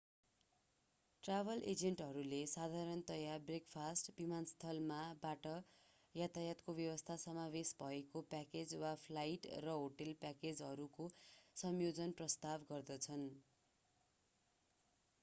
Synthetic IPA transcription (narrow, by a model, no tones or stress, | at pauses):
ʈrabʱʌlʔed͡zeɳʈɦʌɾulesad̪ʱaɾʌnt̪ʌjabrekpʰasʈbimanst̪ʰʌlmabaʈʌ | jat̪ajat̪kobjʌwʌst̪ʰasʌmaβesbʱʌekopaked͡zwapʰlajʈrʌɦoʈelpaked͡zʌɾukosʌmjod͡zʌnprʌst̪abɡʌrd̪ʌt͡sʰʌn